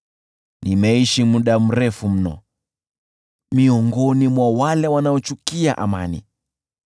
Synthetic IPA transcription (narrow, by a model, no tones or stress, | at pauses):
nimɛiʃimuɗam̩ɾɛfum̩nɔ̰ | miɔŋɡɔnimwawalɛwanaɔt͡ʃukiaʔa̰ma̰nḭ